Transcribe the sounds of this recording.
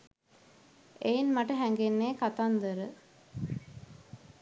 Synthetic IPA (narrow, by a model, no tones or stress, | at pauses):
ejinmaʈəɦæŋɡenːeːkat̪and̪əɾə